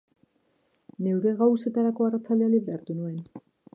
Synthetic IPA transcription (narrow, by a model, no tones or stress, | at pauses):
ne̞wɾe̞ɣawse̞t̪aɾako̞arat͡sald̪e̞aliβɾeaɾt̪unue̞n